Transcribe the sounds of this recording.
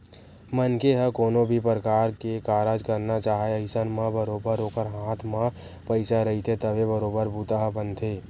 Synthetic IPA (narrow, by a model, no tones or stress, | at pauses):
mənkeɦəkoːnobʱipəɾəkaːɾkekaːɾaːd͡ʒkəɾnat͡ʃaːɦeəɪsənmãbəɾoːbəɾːoːkəɾɦaːt̪ʰmã | pəɪsaɾɐɦit̪ʰet̪əbebəɾoːbəɾbuːt̪aɦəbənt̪ʰeː